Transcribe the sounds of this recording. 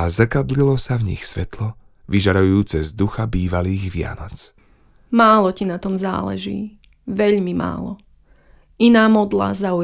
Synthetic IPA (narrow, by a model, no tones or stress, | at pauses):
azr̩kad̪lilɔsavɲḭxsʋɛt̪lɔ | ʋiʒaɾujuːt͡sɛzd̪uxabiːʋaliːɣʋɪa̰nɔt͡s | maːlɔcinat̪ɔmza̰ːlɛ̰ʒḭː | ʋɛʎmima̰ːlɔ | inaːmɔd̪la̰zau